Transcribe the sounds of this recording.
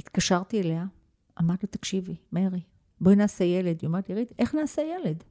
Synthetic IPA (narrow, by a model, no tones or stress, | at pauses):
it̪kaʃaʁt̪ielea | ʔamaʁdlut̪akʃivimeʁi | boinaːsejeled̪jometeʁit̪e̞χnaːsejele̞d